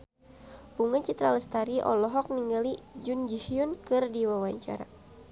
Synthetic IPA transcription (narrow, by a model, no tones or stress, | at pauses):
puŋat͡ʃit̪ɾaləst̪aɾiʔɔ̰lɔɦɔk̚niŋɡalid͡ʒund͡ʒiʃiunkɨrdiwawaɲt͡ʃa̰ɾa̰